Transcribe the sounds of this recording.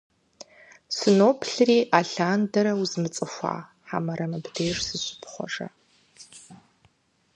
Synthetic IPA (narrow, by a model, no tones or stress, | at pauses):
sɨnoːpʰɬɨriːʔaɬaːndɐɾɐwuzmɨt͡sʼɨfʷa̰ː | ħa̰mɐɾɐmɨbdeːʂsɨɕʷʊ̥pʰχʷɔ̰ʐɐ̰